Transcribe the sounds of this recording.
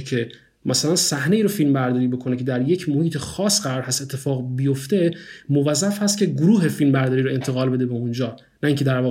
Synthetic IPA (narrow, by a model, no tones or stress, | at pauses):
cʰe̞ | mʔæsælænsæhne̞iːɾofilmbæɾd̪ɒːɾiːbo̞kʰo̞necʰe̞d̪æɾje̞cʰmohiːt̪ʰexɒːsɢæɾɒːɾhæst̪e̞t̪ʰːe̞fɒːɣbijoft̪e̞movæzːæfhæst̪̚cʰʲe̞ɡoɾuːɦe̞filmbæɾd̪ɒːɾiːɾoe̞nt̪ʰe̞ɣɒːlbe̞d̪e̞beund͡ʒɒː | næiːŋcʰe̞d̪æɾvɒːɣ